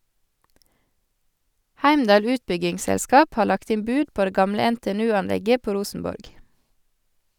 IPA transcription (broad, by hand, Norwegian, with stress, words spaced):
ˈhæɪmdɑːl ˈʉːtbʏɡɪŋˌsɛlˌskɑːp ˈhɑː ˈlɑkt ˈɪm ˈbʉːd ˈpoː ˈdeː ˈɡɑmlə ɛnteːɛˈnʉːɑnˌlɛɡə ˈpoː ˈɾuːsn̩ˌbɔɾɡ